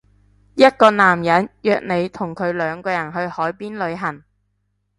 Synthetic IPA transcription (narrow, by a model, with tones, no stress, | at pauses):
jɐ˥t̚kɔː˧naː˨˩mjɐ˨˥njœː˧k̚ne˨˧jt̪ʰʊ˨˩ŋkʰɵ˨˧ɥlœː˨˧ŋkɔː˧jɐ˨˩nɦɵ˧ɥhɔː˨˥jpiː˥nlɵ˨˧ɥɦɐ˨˩ŋ